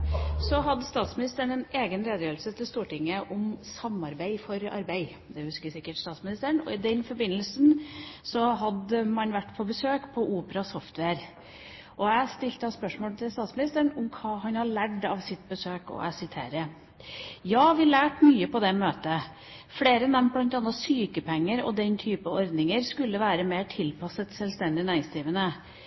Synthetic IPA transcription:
sɔɦɑd̪st̪ɑːt̪smɪnɪst̪əɳɛneːɡənɾeːd̪əjøːlsət̪ʰɪlst̪uːʈɪŋːəʔʊmsɑmːɑɾbæɪfɔɾɑ̰ɾbæɪ | d̪ɛhʉskəsɪkːəʈst̪ɑːt̪smɪnɪst̪əɳɔ̰ɪd̪ɛnfɔɾbɪnːəlsnsɔɦɑd̪əmɑnʋæʈːpʰɔbəsøːkpʰɔʔuːpəɾɑsɔft̪ʰʋeːɾ | ʔɔæɪst̪ɪlt̪əɑspœʂmoːlt̪ʰɪlst̪ɑːt̪smɪnɪst̪əɳʊmkʰɑːɦɑnhɑɭæɖɑʋsɪt̪ːbəsøːkɔ̰æ̰sɪt̪ʰḛːɾə | jɑːʋɪlæːʈmyːəpʰɔd̪ɛmøːt̪ə | fɽeːɾəɛnd̪ɛmpʰɔlɑnt̪ɑnɑsyːkəpʰɛŋːəɾɔ̰d̪ɛnt̪ʰyːpəɔɾd̪nɪŋəɾskʉlːəʋæːɾəmeːʈʰɪlpʰɑsət̪sɛlst̪ɛnd̪ɪnæːɪŋsd̪ɾiːʋənə

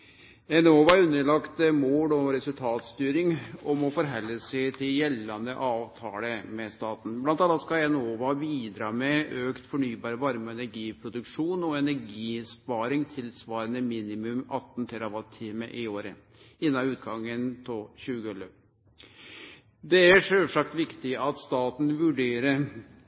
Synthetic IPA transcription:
ɛnoːʋɑɾʉnːəɭɑkt̪moːlɔɾɛsʉlt̪ʰɑːt̪st̪yːɾɪŋɔmɔfɔɾɦɛlːəsɛt̪ʰɪljɛlːɑnd̪ə̰ʔɑːʋt̪ʰɑ̰ːləmɛst̪ɑːt̪n̩blɑnt̪ɑlːɑt̪skɑɛnoːʋɑbiːd̪ɾɑːmɛøːkt̪fɔɳyːbɑːɾəʋɑɾmɔɛnæɾɡiːpʰɾʊd̪ʉkʂuːnɔɛnæɾɡiːspɑːɾɪŋt̪ʰɪlsʋɑːɾɑnəmiːnɪmʉmɑt̪ːn̩t̪ʰɛɾɑʋɑt̪ʰːiːmə̰ʔɪoːɾə | ɪnːɑʉːt̪ɡɑŋːənt̪ʰɔɕʉːɡəɔlə | d̪ɛæʂøʂɑkt̪ʋɪkt̪ɪɑt̪st̪ɑːt̪n̩ʋʉɖeːɾəɾ

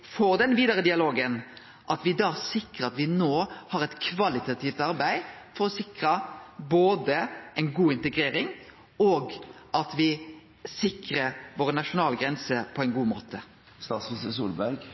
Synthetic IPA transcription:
foːɾd̪ɛnʋiːd̪ɑɾəd̪ɪɑloːɡən | ʔɑt̪ʋɪd̪ɑːsɪkəɾɑt̪ʋɪnoːhɑːɾɛt̪kʰʋɑlɪt̪ɑt̪ʰiːft̪ɑɾbæɪfɔɾɔsɪkɾəboːd̪əɛɪnɡuːɪnt̪ɛɡɾeːɾɪŋ | oːɡ | ʔɑt̪ʋɪ | sɪkɾəɾʋoːʁənɑʂʊnɑːlɡɾɛnsəpʰɔɛɪnɡuːmo̰ːt̪ʰə | st̪ɑːt̪sʉsəsṵːlbæɾɡ

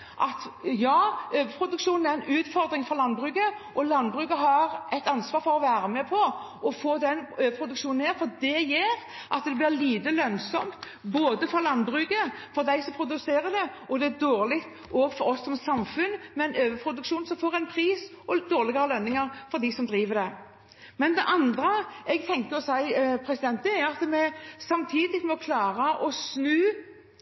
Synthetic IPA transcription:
ʔɑt̪jɑːøːʋəpʰɾʊd̪ʉkʃuːnn̩æɾɛnʉːt̪fɔɾd̪ɾɪŋfɔɾlɑnbɾʉːɡəʔɔlɑnbʁʉːkəɦɑɾʔɛt̪ɑnsʋɑːɾfɔɾɔʋæːɾəmɛpʰɔ | ɔfoːd̪ɛnøːʋəpʰɾʊd̪ʉkʂuːnneːɾfɔɾd̪ɛjeːɾ | ʔɑt̪d̪ɛblɪʁliːd̪əlœnsɔmt̪ | boːd̪əfɔlɑnbɾʉːɡəfɔɾd̪æɪsɔmpʰɾʊd̪ʉseːɾəd̪ɛɔd̪ɛæd̪oːʁlɪkt̪ | ɔːɡfɔɾɔsːɔmsɑmfʉnːmɛɛɪnøːʋəpʰʁʊd̪ʉkʃuːnsɔmfoːʁɛɪnpʰɾiːs | ɔd̪oːʁlɪɡəɾəlœnːɪŋəʁfɔɾd̪ɪsɔmd̪ɾiːʋəd̪ɛ | mɛnd̪ɛʔɑnd̪ɾəɛɡt̪ʰɛŋk̪əɔsæɪpʰɾɛsɪd̪ɛnt̪ːəæɾɑt̪mɛsɑmt̪ʰiːd̪ɪkmɔkʰlɑːʁəʔɔsnʉː

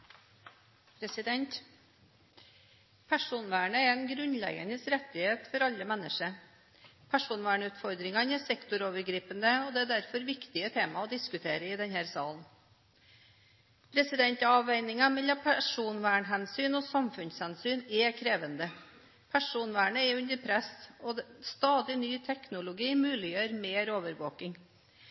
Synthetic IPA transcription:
pʰɾɛsɪd̪ɛnt̪ | pʰæʂuːnʋæːɳəɛɾɛnɡɾʉnlɛ̰ɡənəsɾɛt̪ːɪheːt̪fɔɾɑlːəmɛnːəʂə | pʰæʂuːnʋæːɳʉːt̪fɔɾd̪ɾɪŋɑnɛsɛkt̪ʊɾoːʋəɾɡɾiːpənd̪əɔd̪ɛæd̪æɾfɔɾʋɪkt̪ɪət̪ʰeːmɑɔd̪ɪskʉt̪ʰeːɾəɪd̪ɛnhæːɾsɑ̰ːln | pʰɾɛsɪd̪ɛnt̪ɑʋæɪnɪŋɑmɛlːɑpʰæʂuːnʋæːɳɦɛnsyːnɔsɑmfʉnshɛnsyːnɛkʰɾeːʋənd̪ə | pʰæʂuːnʋæːɳəɛʉnd̪əɾpʰɾɛsɔd̪ɛst̪ɑːd̪ɪnyːt̪ʰɛknʊlʊɡiːmʉːlɪjøːɾmeːɾoːʋəɾʋo̰ːkɪŋ

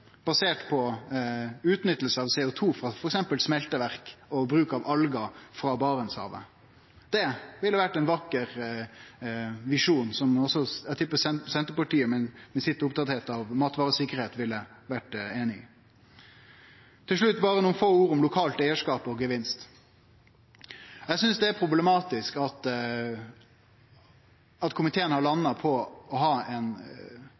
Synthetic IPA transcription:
b̥ɑseːʈpʰɔ | ʉːt̪nʏt̪ːəlsəɑʋsɛːʊt̪ʰuːfɾɑfɔɾɛksɛmpəlsmɛlt̪əʋæʁkɔbɾʉːkɑʋʔɑlɡɑfɾɑbɑːʁənshɑ̰ːʋə̰ | d̪ɛʋɪlːəʋæʈːɛɪnʋɑkːəɾ | ʋɪʂuːnsɔmɔsɔæt̪ʰʏpːəsɛsɛnt̪əpɑʈiːəmɛmɛsɪt̪ːəɾʊpt̪ʰɑt̪heːt̪ɑʋmɑːt̪ʋɑːɾəsɪkːəɾheːt̪ʋɪlːəʋæʈeːnɪɪ | t̪ʰɪlʂ̬ɭʉt̪ːbɑːɾənuːnfoːuːɾʊmlʊkʰɑːlt̪æɪəʂkɑːpɔɡəʋɪnst̪ | ɛsʏnsd̪ɛæɾpʰɾʊbləmɑːt̪ɪskɑt̪ | ɑt̪kʰʊmɪt̪ʰeːənhɑɾɭɑnːɑpʰɔɔɦɑːɛn

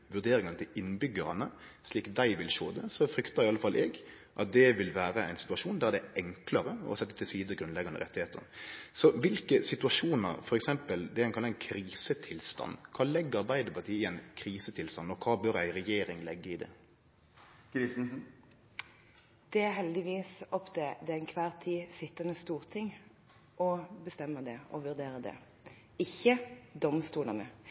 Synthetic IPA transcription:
ʋʉʁd̪eːɾɪŋɑnət̪ʰɪlɪnbʏɡəɾɑnəsliːkd̪æɪʋɪlʃoːd̪ɛsɔfɾʏkt̪ɑɾɪɑlːəfɑlʔɛɡ | ʔɑ̰t̪̚d̪ɛʋɪlʋæːɾəæɪnsɪ̥t̪ʉɑʂuːnd̪æɛd̪ɛɛŋkləɾəɔ̰sɛt̪ːə̥t̪ʰɪlsiːd̪əɡɾʉnlɛɡɑnə̰ɾɛ̰t̪ːɪheːt̪ə̰nsɔʋɪlkəsɪt̪ʉɑʂuːnə̰ɾfɔɾɛksɛmpəld̪ɛɾæɪkɑlɑɛnkʰɾiːsət̪ʰɪlst̪ɑ̰nːkʰɑːlɛɡːəɾɑɾbæɪd̪əpʰɑʁt̪ʰiːɪənkʰɾiːsət̪ʰɪlst̪ɑnːɔkʰɑːbœɾæ̰ɪɾɛjeːɾɪŋlɛɡːəɪd̪ɛ̰ | ɾɪ | d̪̥ɛæɾɦɛld̪ɪʋiːsɔpd̪ɛd̪ɛæɪnkʰʋæːɾt̪ʰiːsɪt̪ːənəst̪uːʁt̪ʰɪŋ | ʔɔbəst̪ɛmːəd̪ɛɔʋʉʁd̪eːɾəd̪ɛ̰ | ɪçːəd̪ɔmst̪uːlənə

